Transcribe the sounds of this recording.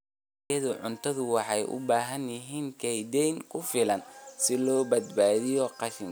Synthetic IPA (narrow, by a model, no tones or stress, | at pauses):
ɐðʊʕʊnt̪ʰɐðʊwɑħɑjʔʊ̰baːɦɐnjɪɦiːŋkʰɛjd̪ɛjŋkʰʊfɪlɐnsɪlɔːbɐd̪baːðɪjɔqɑʃɪn